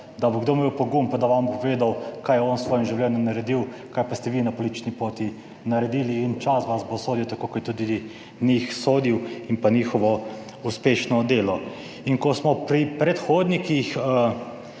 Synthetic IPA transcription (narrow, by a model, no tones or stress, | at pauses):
d̪aboɡd̪oːmewpɔɡumpad̪aʋampɔʋeːd̪awkajɛɔnsʋoːjimʒiwlʲɛːnjɔmnaɾɛd̪iwkajpast̪ɛʋiːnapolit̪t͡ʃnipoːt̪i | naɾɛd̪iːliːnt͡ʃasʋasbosoːd̪iwt̪akoːkɔt̪ɛt̪ud̪i | nixsoːd̪iwinpaniːxɔʋɔ | uspeːʃnɔd̪eːlɔ | iŋkɔsmɔpɾipɾɛt̪xoːd̪nikixə